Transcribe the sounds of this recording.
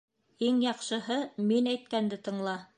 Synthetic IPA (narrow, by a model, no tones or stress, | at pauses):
iŋjɑqʃɤ̆ɦɤminæjt̪̚kænd̪ɘt̪ɤ̆ɴlˠɑ